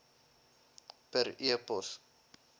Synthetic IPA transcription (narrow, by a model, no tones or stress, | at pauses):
pəɾiəpɔs